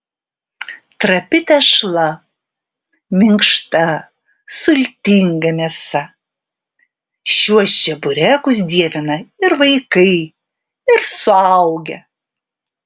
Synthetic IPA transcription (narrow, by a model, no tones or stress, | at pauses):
t̪ɾɐpʲɪt̪ʲɛʃlˠɐ | mʲɪŋkʃt̪ɐ | sʊlʲt̪ʲɪŋɡɐmʲiɛsɐ | ʃʲuɔst͡ʃʲɛbʊɾʲækʊs̬d̪ʲiɛʋʲɪnɐɪɾʋɐɪkɐɪ | ɪɾsʊɐʊɡʲɛ